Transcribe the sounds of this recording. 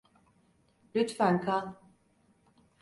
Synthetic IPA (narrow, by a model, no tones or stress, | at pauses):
lʲyt̪fænkʰal